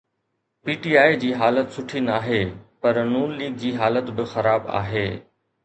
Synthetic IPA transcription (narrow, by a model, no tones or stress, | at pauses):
piːʈiːaːid͡ʑiːɦaːlət̪sʊʈʰinaːɦeːpɐɾnuːnliːɡ̚d͡ʑiːɦaːlət̪bɪxɐɾaːba̰ːɦeː